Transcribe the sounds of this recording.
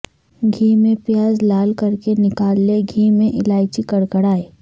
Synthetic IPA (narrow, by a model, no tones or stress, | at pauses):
ɡʱiːmẽpjaːzlaːlkɐɾkenɪkaːlːeɡʱiːmẽʔɪlaːɪt͡ʃikɐɽkəɽaːeː